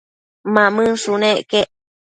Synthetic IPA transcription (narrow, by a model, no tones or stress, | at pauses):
mãmɨ̃sunẽʔkeʔ